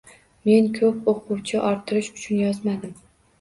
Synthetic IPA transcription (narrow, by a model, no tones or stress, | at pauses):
me̞nkʲʰɵpoqʰʊwt͡ʃʰɪʔɒɾt̪ʰɪɾɪʃʊ̥t͡ʃʰʊnjɒzmad̪ɪm